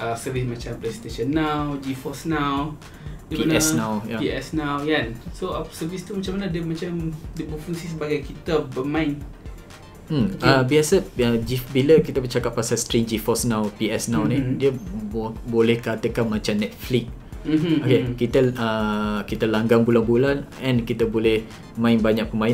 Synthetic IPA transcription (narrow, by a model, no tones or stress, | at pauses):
ʔəsəvismat͡ʃampɾɛst̪eʃənːawd͡ʒifɔsnaw | dipinɛnãwjapiɛsnawjansosəvist̪umat͡ʃamanadəmat͡ʃamdəpɾofuŋsisəbaɡajkit̪əbəmãɪn | m̩əbiasəəd͡ʒifbiləkit̪əbət͡ʃakapːasalst̪ɾiŋd͡ʒifɔsnawpiɛsnawnidiə | bolɛhkat̪əkanmãt͡ʃamnɛt̪̚flik̩̚ | okekit̪əəkit̪əlaŋɡaŋbulanbulanɛ̃nkit̪əbolɛh | mãɪnbaɲak̚pəmãin